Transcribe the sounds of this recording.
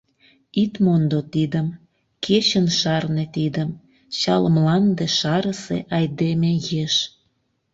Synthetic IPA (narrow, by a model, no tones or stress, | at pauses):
it̪mond̪ot̪id̪əm | ket͡ɕənʃɑrnet̪id̪əm | t͡ɕɑlmlɑnd̪eʃɑɾəsḛʔɑjd̪emejeʃ